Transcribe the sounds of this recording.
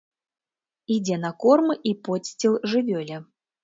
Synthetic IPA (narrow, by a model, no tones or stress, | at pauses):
id͡zʲɛnɐkɔrmɨʔipɔsʲt͡sʲilˠʐɨvʲɔlʲɛ